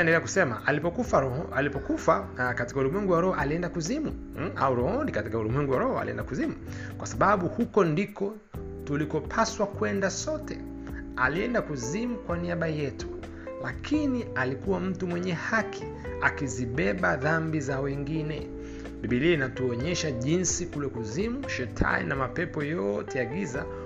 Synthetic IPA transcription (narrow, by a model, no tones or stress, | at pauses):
ɛndɛlɛakusɛma̰ʔalipɔkufaɾɔɔalipɔkufakati̥kaulumwɛŋɡuwaɾɔhɔʔaliɛndakuzimu | a̰uɾɔhɔndikatikaulumwɛŋɡuwaɾɔhɔa̰lḭɛ̰ndakuzimu | kwasaɓaɓuhukɔndikɔ | tulikɔpʰaswakwɛndasɔtɛ̰ | a̰liɛndakuzimukwaniaɓajɛtu̥ | lakʰinialikuwam̩tumwɛɲɛhakʰi̥ | akiziɓɛɓaðambizawɛŋɡinɛ | ɓiɓiliinatuɔɲɛʃaʄinsikulɛkuzimuʃɛtʰa̰nḭnamapɛpɔjɔtɛjaɡiza